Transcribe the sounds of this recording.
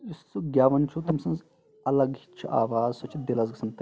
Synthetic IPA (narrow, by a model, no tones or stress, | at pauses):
isːuɡʲjaːʋɐnt͡ʃʰut̪ɐmsɐ̃nz | ɐlɐɡhit͡ʃʰuʔa̰ːʋaːzsot͡ʃʰib̪ʲelɐzɡɨsɐnt̪